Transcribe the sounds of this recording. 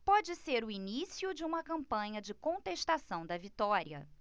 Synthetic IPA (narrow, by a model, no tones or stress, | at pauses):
pɔd͡ʒɪseɾʊinisiʊd͡ʒɪũmɐkɐ̃mpɐ̃ɲɐd͡ʒɪkõnt̪eʃst̪asɐ̃w̃d̪ɐvit̪ɔɾiɐ̰